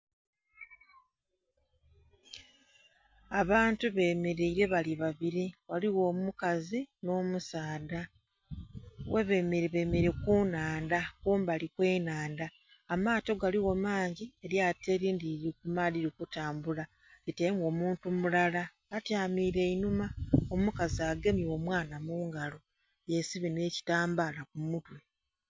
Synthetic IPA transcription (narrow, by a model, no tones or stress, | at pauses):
aβaːntuβe̞ːmeɾeiɾe̞βaliβaβiɾiwaliwo̞ːmukazino̞ːmusaːda | wʔeβe̞meɾβemeɾekunaːndakuːmbalikwe̞ːnaːndaː | maːto̞ɡaliwo̞maːɲɟie̞ɾjateɾiːndiɾikumadiɾikutaːmbula | itemɡo̞ːmuːntumulalaː | tjaːmiːɾe̞inumaomukaziaɡe̞miwo̞ːmwaːnamuːŋɡalo̞ | jesiβine̞ːci̥taːmbaːlakumutwe̞